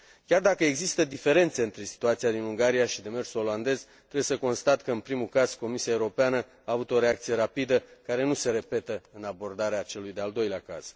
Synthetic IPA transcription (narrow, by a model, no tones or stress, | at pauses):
kʲard̪akəeɡzist̪əd̪ife̞ɾe̞nt̪se̞ɨnt̪ɾe̞si̥t̪uat̪siad̪inuŋɡaɾijaʃid̪e̞me̞rsuo̞land̪e̞zt̪ɾebjesəko̞nst̪at̪kəɨnpɾimukaz̥ko̞misiaeuɾo̞peanə | aːvut̪o̞ɾe̞ak̚t̪sije̞ɾapid̪əkaɾe̞nuse̞ɾe̞pe̞t̪əɨnabo̞rd̪aɾeat͡ʃe̞lujd̪e̞ald̪o̞jleaka̰z̥